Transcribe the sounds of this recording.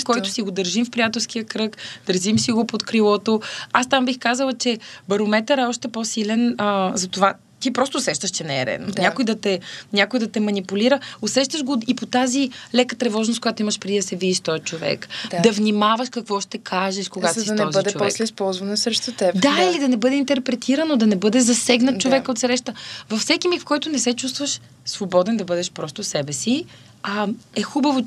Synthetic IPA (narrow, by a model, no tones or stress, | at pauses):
kɔjt̪ʊ̥siɡod̪əɾʒimfpɾijat̪ɛlˠsk̟iəkɾɤkd̪əɾʒimsiɡopot̪kɾilˠɔt̪oast̪ambixkazəlˠɐt͡ʃɛbɐɾomɛt̪əɾɛɔʃt̪ɛposilɛnəzɐt̪ova | t̪ipɾɔst̪oʊːsɛʃt̪əʃt͡ʃɛnɛːɾɛ̰d̪o̰ɲakojd̪ɐt̪ɛɲʲakojd̪ɐt̪ɛmɐnipuliɾəʊsɛʃt̪əʃɡoipot̪azilɛkət̪ɾɛvɔʒnʊst̪koɡat̪oimɐʃpɾɛd̪id̪ɐsɛvid̪iʃt̪ɔjt͡ʃovɛ̰kd̪d̪ɐvnimavɐʃkɐkvɔʃt̪ɛkʰaʒɛʃkoɡat̪siɔzəd̪ɛovɛslɛispɔlˠzvɐnosɾɛʃt̪ʊt̪ɛd̪ailid̪ɐnɛbɤd̪ɛint̪ɛɾpɾɛt̪ʰiɾɐnod̪ɐnɛbɤd̪ɛzɐsɛɡnɐt̪t͡ʃːovɛkot̪sɾɛʃt̪əvɐfsɛkimixfkɔjt̪ʊnɛsɛt͡ʃus̬t̪vəʃ | svobɔd̪ɛnd̪ɐbɤd̪ɛʃpɾɔst̪ʊsɛbɛsi | ɐɛxubəvo